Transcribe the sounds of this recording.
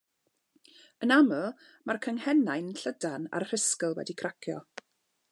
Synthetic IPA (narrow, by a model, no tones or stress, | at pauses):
ənamə | markʰəŋhɛnajnnɬədana̰rr̥ɪskəlˠwɛ̰dikʰrakʰjɔ̰